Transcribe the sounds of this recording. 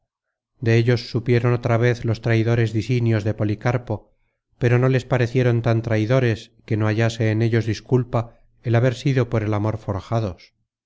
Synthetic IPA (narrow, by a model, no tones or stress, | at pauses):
d̪e̞eʎo̞sːupje̞ɾo̞not̪ɾaβ̞e̞θlo̞st̪ɾajðo̞ɾe̞zðisinjo̞zðe̞po̞likaɾpo̞ | pe̞ɾo̞no̞le̞spaɾe̞θje̞ɾo̞nt̪ant̪ɾajðo̞ɾe̞ske̞no̞aʝase̞ːne̞ʎo̞zðiskulpa | elaβe̞ɾsiðo̞po̞ɾe̞lamo̞ɾfo̞ɾxaðo̞s